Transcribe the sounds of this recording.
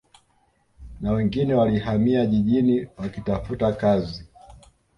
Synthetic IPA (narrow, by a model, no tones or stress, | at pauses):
nawɛŋɡinɛwalihamiaʄiʄiniwakitafutakazi